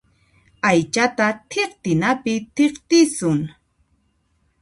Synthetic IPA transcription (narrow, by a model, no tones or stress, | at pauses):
ajt͡ʃat̪at̪ʰeqt̪ɪnapɪt̪eχt̪ɪsʊŋ